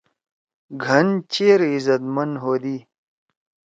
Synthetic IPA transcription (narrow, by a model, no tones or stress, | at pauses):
ɡʱɐnt͡ɕeːɾizɐt̪mɐnɦoːd̪iː